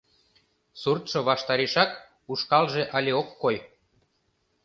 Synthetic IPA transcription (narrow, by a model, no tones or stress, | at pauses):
surt̪ʃŏβɑʃt̪ɑɾeʃɑk | uʃkɑlʒeʔɑlʲeokːoj